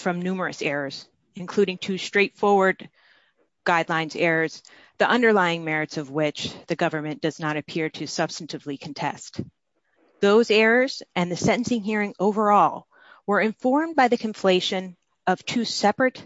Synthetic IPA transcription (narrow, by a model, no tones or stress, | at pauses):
fɹʌ̃mnʉmə˞ɨsɛɹə˞z̥ | ɨ̃nkʰl̥ʉɾɪ̃ŋtʰʉstɹ̥eɪtfɔɹwə˞d̚ | ɡ̥aɪdˡlãɪ̃nzɛɹəz̥ | ðiʔʌ̃ndə˞laɪɪ̃ŋmɛɹɨtsʌvwɪt͡ʃðɨɡʌvə˞mɨ̃nd̥ʌznəɾɨpʰɪɹɾɨsʌb̥stn̩tɨvlikʰɨ̃n̩tʰɛ̰st | ðoʊzɛɹə˞z̥ʔɨ̃nðɨsɛ̃ɾn̩sɪ̃ŋɦiɹɪ̃ŋoʊvə˞ɔlˠ | wə˞ɨ̃ɱfɔɹmbaɪðɨkʰɨ̃ɱfleɪʃɨ̃n | ʌv̥tʰʉsɛpɹɨt